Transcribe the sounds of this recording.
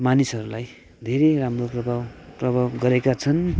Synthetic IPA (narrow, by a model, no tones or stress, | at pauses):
manisʌɾulaj | d̪ʱeɾeramroprʌbʱawprʌbʱawɡʌɾekat͡sʰʌn